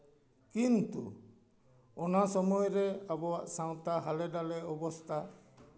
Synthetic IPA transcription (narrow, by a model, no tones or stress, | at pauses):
kint̪ṵ | ɔnasɔmɔjɔɾɛabɔwaʔsaw̃t̪aɦalɛɖalɛɔbɔst̪ʰa